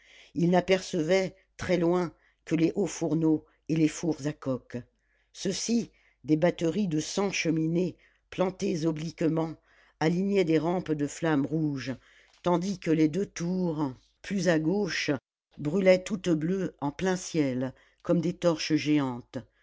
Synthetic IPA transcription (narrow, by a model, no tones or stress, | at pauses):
ilnapɛʁsəvɛ | t̪χɛlwɛ̃ | kəleʔofuʁno | elefuʁzakɔk | səsi | d̪ebat̪əʁid̪əsɑ̃ʃəmine | plɑ̃t̪ezɔblikmɑ̃ | aliɲɛd̪eʁɑ̃pd̪əflamʁuʒ | t̪ɑ̃d̪ikəled̪øt̪uʁ | plyzaɡoʃ | bʁylɛt̪ut̪bløɑ̃plɛ̃sjɛl | kɔmd̪et̪ɔʁʃəʒeɑ̃t̪